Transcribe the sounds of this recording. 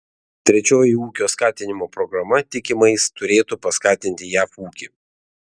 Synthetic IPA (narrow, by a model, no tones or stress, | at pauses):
t̪ʲɾʲɛt͡ʃʲoːjɪuːkʲoːskɑːt̪ʲɪnʲɪmoːpɾɔɡɾɐmɐt̪ʲɪkʲɪmɐɪst̪ʊɾʲeːt̪upɐskɑːt̪ʲɪnʲt̪ʲɪjæːfuːkʲɪ